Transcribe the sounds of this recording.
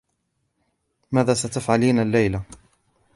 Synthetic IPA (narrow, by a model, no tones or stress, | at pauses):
maːðaːsat̪afʕaliːnalːajla